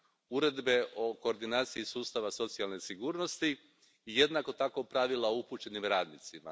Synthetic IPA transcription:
uɾe̞d̪be̞ʔo̞ko̞ːɾd̪inaːt̪siisuːst̪aʋaso̞t̪sialˠne̞siɡuːɾno̞st̪iː | je̞d̪nako̞t̪ako̞pɾaʋilaoupuːt͡ʃe̞nimɾaːd̪nit̪sima̰

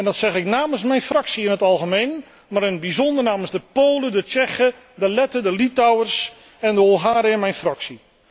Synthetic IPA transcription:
ɛndɔtsɛχɪknaːmənsmɛjnfraksiɪnɦətɑlˠɣəmejn | maɾɪnəd̚bizɔndərnaːmənzdəpoːlədət͡ʃɛxə | dəlɛtədəlitawərs | ɛndəolˠɦaːɾəɛnmɛjnfraksi

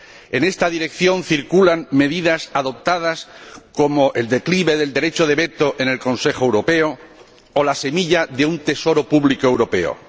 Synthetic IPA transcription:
e̞ne̞st̪aðiɾe̞kθjõ̞nθiɾkulanme̞ðiðasaðo̞p̚t̪að̞asko̞moʔe̞ld̪e̞kliβe̞ðe̞ld̪e̞ɾe̞t͡ʃoð̞e̞βe̞t̪o̞ʔene̞lko̞nse̞xoe̞wɾo̞pe̞o | olase̞miʎaðe̞unt̪e̞so̞ɾopuβlikoewɾo̞pe̞̰o̰

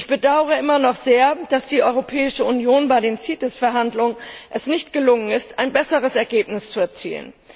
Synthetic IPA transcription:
ʔɪçb̥ədaʊəʁ̞əʔɪmɐnɔχz̥eːɐd̥asd̥iːʔɔʏʁopʰɛːɪʃəunjoːnbaɪdeːmt͡siːtəsfɛɐɦandlʊŋənʔɛsnɪçtɡ̥əlʊŋənɪstaɪnbɛsəʁ̞əsɛɐɡeːp̚nɪst͡suɛɐt͡sḭːlə̰n

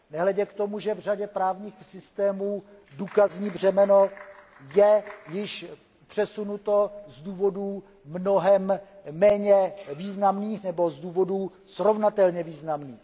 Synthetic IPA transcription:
nɛɦlɛɟɛkt̪o̞muʒɛvr̝aɟɛpɾaːvɲiːxsɪst̪ɛːmuː | duːkazɲiːbr̝ɛmɛno̞ | jɛjɪʃ | pr̥ɛsunut̪o̞zduːvo̞duː | mnoɦɛmːɛːɲɛviːznamniːxnɛbo̞zduːvo̞du | sɾovnat̪ɛlɲɛviːznamniːx

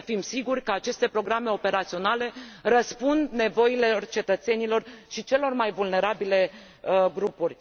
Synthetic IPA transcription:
fimsiɡurʲkəat͡ʃe̞st̪e̞pɾo̞ɡɾame̞o̞pe̞ɾat̪sio̞nale̞ɾəspund̪ne̞vo̞ilert͡ʃe̞t̪ət̪se̞nilo̞rʃit͡ʃe̞lo̞rmajvulne̞ɾabile̞ | əɡɾupurʲ

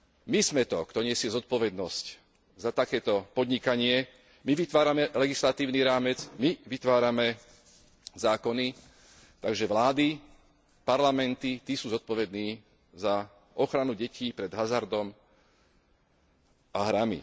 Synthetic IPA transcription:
mizmɛt̪ɔkt̪ɔɲɪɛsɪɛzɔt̪̚pɔʋɛd̪nɔsc | zat̪akɛːt̪ɔpɔd̪ɲikaɲɪɛ | miʋit̪ʋaːɾamɛlɛɡislat̪iːʊniɾaːmɛt͡smiʋit̪ʋaːɾamɛ | zaːkɔni | t̪aɡʒɛʋlaːd̪i | paɾlamɛnt̪it̪iːsuːzɔt̪̚pɔʋɛd̪niː | za | ɔxɾanuɟɛciːpɾɛd̪ɦazaɾd̪ɔm | aɦɾamḭ

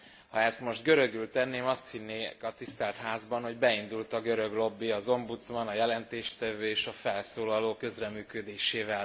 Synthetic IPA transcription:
hɒɛst̪mo̞ʒt̪ɡø̞ɾø̞ɡylt̪ɛnːeːmɒst̪hinːeːkɒt̪ist̪ɛlt̪haːzbɒnho̞ɟbɛind̪ult̪ɒɡø̞ɾø̞ɡlo̞bːiɒzo̞mbut̪smɒnɒjɛlɛnt̪eːʃt̪ɛvøːeːʃɒfɛlsoːlɒloːkø̞zrɛmyːkød̪eːʃeːvɛl

